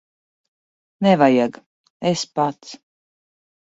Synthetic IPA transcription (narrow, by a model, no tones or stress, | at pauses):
nɛvajaɡ | espat̪s